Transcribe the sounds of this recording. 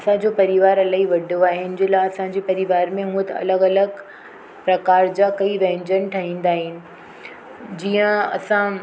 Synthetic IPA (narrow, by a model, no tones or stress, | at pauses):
ɐsãd͡ʑoːpɐɾɪʋaːɾɐlaːiʋɐɖʱoaːɦeɪʊnɪ̆d͡ʑɪlaɐsãɲd͡ʑeːpɐɾɪʋaːɾmẽɦũːət̪ɐ̰ləɡɐləɡ | pɾɐkaːɾd͡ʑakɐiʋẽɦɪ̃ɲd͡ʑənɪ̆ʈʰɐɦĩːnd̪aːɦɪnɪ̆ | d͡ʑiːə̃ɐ̰sã